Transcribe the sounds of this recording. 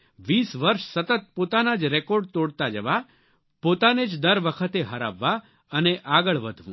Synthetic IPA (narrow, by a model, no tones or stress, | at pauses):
ʋisʋəɾʃsət̪ət̪̚pot̪anad͡ʒɾekoɾɖ̚t̪oɽt̪ad͡ʒəʋa | pot̪aned͡ʒd̪əɾʋəkʰət̪eɦəɾa̰ʋːa | əneʔaɡəɭʋəd̪ʱʋṵ̃